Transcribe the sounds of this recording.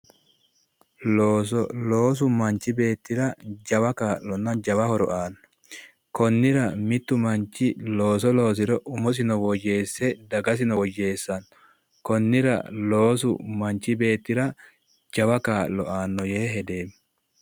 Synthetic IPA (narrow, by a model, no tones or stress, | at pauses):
loːsɔlo̞ːs̬ʊmɐnt͡ʃːɪbe̞ːt̪ːɪɾɐd͡ʒɐwɐkaːlɔnːɐd͡ʒɐwɐhɔɾɔ̰ʔaːnːɔ̥ | kɔnːɪɾɐmɪt̪ːʊmɐnt͡ʃːɪlo̞ːs̬ɔlo̞ːs̬ɪɾɔʔʊmɔs̬ɪnɔwɔje̞ːsːɛd̪ɐɡɐs̬ɪnɔwɔje̞ːsːɐn | kɔnːɪɾɐ̰lo̞ːs̬ʊ̰mɐnt͡ʃːɪbe̞ːt̪ːɪɾɐ | d͡ʒɐwɐkaːʔlːɔ̰aːnːɔjeːɦɛd̪e̞ːm